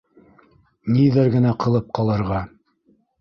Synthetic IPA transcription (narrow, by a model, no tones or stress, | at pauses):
niðɘɾɡɘ̆næqɤ̆lˠɤp̚qɑlˠɤ̆ɾʁɑ